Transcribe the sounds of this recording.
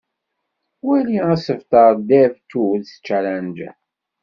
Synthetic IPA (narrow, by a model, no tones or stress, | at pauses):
wæliæsəvt̪əɾˤd̪ævt̪ːuðθt͡ʃːælænd͡ʒ